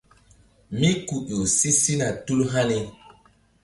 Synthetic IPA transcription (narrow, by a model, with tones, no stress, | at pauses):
mi˦ku˨ʔo˨si˦si˦na˨tu˦lɦa˦ni˦